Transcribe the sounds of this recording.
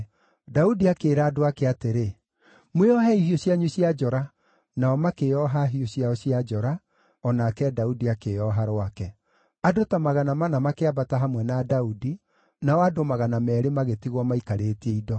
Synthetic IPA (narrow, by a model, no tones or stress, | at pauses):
daudiakeːɾaːdoakeateɾe | mweɔɦɛihioɕiaɲuɕiad͡ʒɔɾa | naɔmakeɔɦaɦioɕiaɔsiad͡ʒɔɾa | ɔnakɛdaudiakeɔɦaɾwakɛ | adotamaɣanamanamakeabataɦamwɛnadaudi | naɔadomaɣanamɛɾemaɣetiɣwɔmaikaɾeːtiɛidɔ